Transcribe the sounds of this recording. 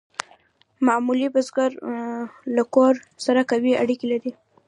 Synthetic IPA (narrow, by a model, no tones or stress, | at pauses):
mamulibazɡaɾ | lakoɾ | saɾakawiaɽikelaɾi